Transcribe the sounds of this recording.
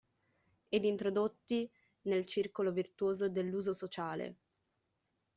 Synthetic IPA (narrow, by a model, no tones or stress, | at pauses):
ed̪int̪ɾod̪ot̪ːi | nelt͡ʃirkolovirt̪uoːzod̪elːuːzosot͡ʃaːlḛ